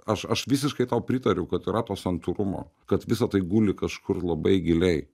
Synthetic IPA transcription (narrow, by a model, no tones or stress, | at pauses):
ɐʃɐʃʋʲɪsʲɪʃkɐɪt̪ɐʊpʲɾʲɪt̪ɐɾʲɛʊkɐt̪iɾɐt̪oːsʲɐnt̪uɾʊmo̰ː | kɐt̪ʋʲɪsɐt̪ɐɪɡuːlʲɪkɐʃkʰʊrlˠɐbɐɪɡʲɪlʲɛɪ